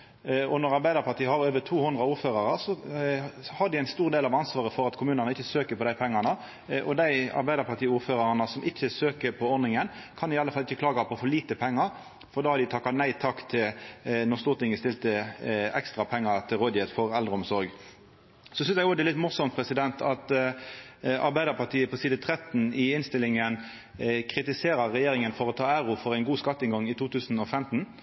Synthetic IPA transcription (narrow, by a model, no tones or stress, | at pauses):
ɔnɔʁɑɾbæɪd̪əɾpɑt̪iːəhɑɾøːʋət̪ʰuːhʊnd̪ɾəɑuːɾføːɾɑʁəsɔ | hɑʁd̪ɪæɪnst̪uːʁd̪eːlɑʋɑnsʋɑːʁəfɔɾɑt̪kʰʊmʉːnɑnəɪçːəsøːkəpʰɔd̪æɪpʰɛŋːɑnə | ʔɔd̪æɪɑ̰ɾbæɪd̪əɾpʰɑt̪iːuːɾføːɾɑʁənəsɔmʔɪçːəsøːkəpʰɔɔʁnɪŋənkʰɑnɪɑlːəfɑlɪçːəkʰlɑːɡɑpʰɔfɔliːt̪əpʰɛŋːɑɾ | fɔɾd̪ɑːhɑd̪ɪt̪ʰɑkːɑt̪næɪt̪ʰɑkːt̪ʰɪnɔʁst̪uːʁt̪ɪŋəst̪ɪlt̪əɛkst̪ʁɑpʰɛŋːɑt̪ʰɪlʁod̪ɪət̪fɔʁɛld̪ɾʁəɔmsɔɾɡ | sɔsʏnsjæɡɔd̪ɛlɪt̪mʊʁsɔmt̪̚pʰʁɛsɪd̪ɛnt̪ʰɑt̪ | ɑ̰ɾbæɪd̪əpɑʁt̪ʰiːəpɔsiːd̪ət̪ʰʁɛt̪n̩ɪɪnst̪ɪlɪŋən | kʰɾɪt̪ɪseːɾəʁɛjeːɾɪŋənfɔɾɔt̪ʰɑːæɾʊfɔʁæɪnɡuːskɑt̪ːɪnɡɑŋɪt̪ʰuːt̪ʰʉːsn̩ɔfɛmt̪n̩